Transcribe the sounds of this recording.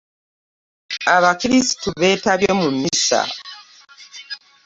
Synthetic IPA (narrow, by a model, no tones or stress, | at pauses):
aβakiɾisi̥tuβe̞ːtaβjomumisa̰